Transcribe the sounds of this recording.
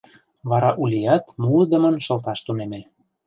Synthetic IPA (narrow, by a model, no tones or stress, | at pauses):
βɑɾɑʔulʲijɑt̪mulɤd̪ə̆mə̆nʃɤ̆lt̪ɑʃt̪unemĕ